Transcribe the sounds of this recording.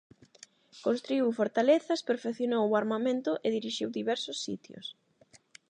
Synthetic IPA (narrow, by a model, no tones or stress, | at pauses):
konst̪ɾuiwfoɾt̪aleθɐspeɾfekθjonowaɾmamẽnt̪ʊʔeðiɾiʃiwðiβɛɾsʊsːḭt̪jʊ̰s